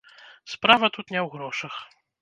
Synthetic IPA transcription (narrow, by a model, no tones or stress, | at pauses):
spɾavɐt̪ut̪nʲɛwɣɾɔʂɐx